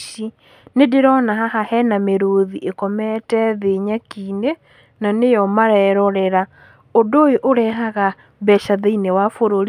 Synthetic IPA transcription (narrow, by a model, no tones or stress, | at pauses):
i | nedeɾɔnaɦaɦahɛnameɾoðiʔekɔmɛtɛðeːɲakiːne | nanejɔmaɾɛɾɔɾɛɾa | odojoʔoɾɛɦaɣa | βɛʃaðeinewafoɾoɾi